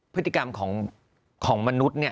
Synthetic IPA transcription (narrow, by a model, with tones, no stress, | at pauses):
pʰɯ˦˥t̪ːi˩˧ka˧mkʰɔː˩˦ŋ | kʰɔː˩˦ŋma˧nu˦˥t̪̚ni˥˩ɐ